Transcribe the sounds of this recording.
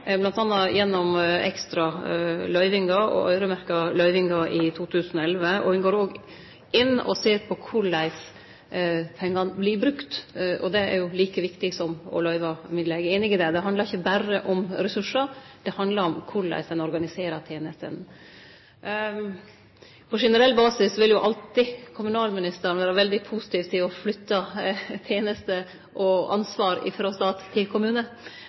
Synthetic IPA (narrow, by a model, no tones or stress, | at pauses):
blɑnt̪ɑnːɑjɛnːɔmɛ̰kst̪ɾɑlœʏʋɪŋɡɑɔ̰ʔœ̰ʏɾəmæɾkɑlœʏʋɪŋɡɑʔɪt̪ʰuːt̪ʰʉːsənɔɛlʋəɔ̰hʉnɡoːɾoːɡ | ɪnːɔ̰seːɾpʰɔkʰʊɾɭæɪs | pʰɛŋːɑnblɪbɾʉkt̪ɔd̪ɛæ̰ɾjʊliːkəʋɪkt̪ɪsɔmɔ̰lœʏʋɑmɪd̪lɛɡeːnɪɡɪd̪ɛd̪ɛɦɑnd̪lɑɾɪçːəbæɾəʔɔmɾɛsʉʂəɾd̪̥ɛhɑnd̪lɑɾɔmkʰʊɾɭæ̰ɪsd̪ɛnɔɾɡɑnɪseːɾət̪ʰjeːnəst̪ə̰n | pʰɔʂɛnəɾɛlːbɑːsɪsʋɪljʊʔɑlt̪ɪkʰʊmʉnɑːlmɪnɪst̪əɾnʋæːɾəʋɛld̪ɪpʰusɪt̪iːʋt̪ʰːɪlɔflʏt̪ːɑt̪ʰjeːnəst̪ə | ʔɔɑ̰nsʋɑːɾɪ̰fɾoːst̪ɑːt̪ʰːɪlkʰʊmʉːnə